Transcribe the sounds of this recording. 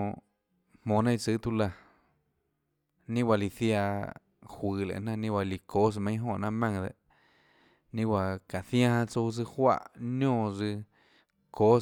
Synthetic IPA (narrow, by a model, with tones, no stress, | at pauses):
mõ˨nã˦i˧t͡sɨ˧˦t̪u˧la˧ | nĩ˦wa˧li˧θja˧ | hʷɨː˨˧lḛ˨nã˦˧nĩ˦˧wa˧li˨ko˦s̬mã˧ĩ˦ɦõ˦˧ʔnã˧mã˧ŋd̪ḛ˧ʔ | nĩ˦wa˧ka˨θjã˦hã˧t͡so˧s̬ɨ˧hwa̰˧˨ʔɲõː˦˧˨zɨ˧ | ko˦